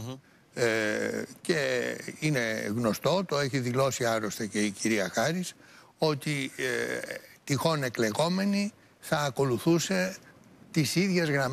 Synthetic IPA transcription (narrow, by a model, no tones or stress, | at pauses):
ce̞ine̞ɣno̞st̪o̞t̪o̞eçiðilo̞siɐɾost̪ece̞iciɾiɐxɐɾis | o̞t̪i | t̪ixo̞ne̞kle̞ɣo̞me̞ni | θɐːko̞luθuse̞ | t̪isiðʝe̞zɣɾɐm